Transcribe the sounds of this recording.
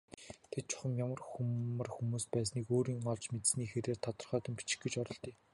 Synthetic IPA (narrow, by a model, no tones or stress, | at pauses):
t̪ʰet̪̚t͡ɕʰʊ̥χə̆mjamə̆rxuə̆rxumuːspæːs̬niːkoːɾiːŋɔɮt͡ɕmet̪̆sniːxeɾeːrt̪ʰɔt̪ɞ̆rχœːt̪ə̆mpi̥t͡ɕɪ̥̆xɡet͡ɕɔɾɞ̆ɮt̪iː